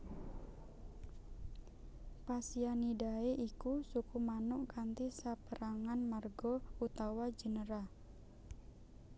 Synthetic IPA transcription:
pasianidaeʔikusukumanʊʔkant̪isapəɾaŋanmarɡɔut̪awad͡ʒənəɾa

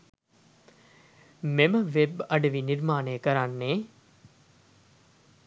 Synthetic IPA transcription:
meməʋebɐɖəʋiniɾmaːnejəkəɾanːeː

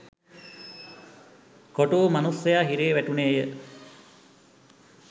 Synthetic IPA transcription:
koʈuːmanusːɐjaːɦiɾeːʋæʈuneːjə

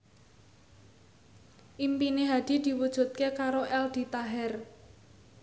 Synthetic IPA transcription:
ʔimpineɦad̪̥i̤d̪̥i̤wud̥ʒ̥ṳt̪̚kekaɾoʔɛld̪̥i̤t̪aɦɛr

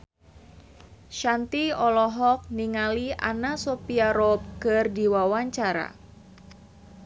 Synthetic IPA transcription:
ʃant̪iɔlɔɦɔk̚niŋalia̰nasopiaɾɔp̚kɨrdiwawaɲt͡ʃaɾa̰

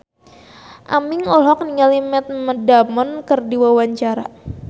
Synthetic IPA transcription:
ʔamɪŋɔlɔk̚niŋalimɛt̪̚mədamɔnkərdiwawaɲt͡ʃaɾa̰

